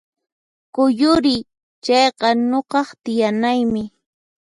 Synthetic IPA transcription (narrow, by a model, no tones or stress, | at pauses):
kʊjʊɾɪ | t͡ʃɑjqɑnoɢɑχt̪ɪjanajmɪ